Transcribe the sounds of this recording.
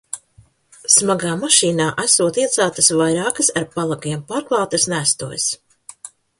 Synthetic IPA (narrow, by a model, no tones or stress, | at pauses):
smaɡaːmaʃiːnaːʔæsuɔt̪iɛt̪saːt̪ɐsvajɾaːkɐsaɾpalˠakiɛmpaːɾklˠɑwt̪ɐsnæst̪ṵɔjs